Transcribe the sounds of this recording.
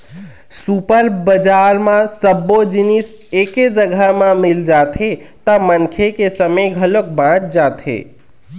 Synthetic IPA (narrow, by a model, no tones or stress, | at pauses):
supəɾbəd͡ʒaːɾmãsəbːod͡ʒinis | eːked͡ʒəɡʱəmãmild͡ʒat̪ʰet̪əmənkʰekesəməɡʱəlok̚bãʈ̚ʰd͡ʒat̪ʰḛ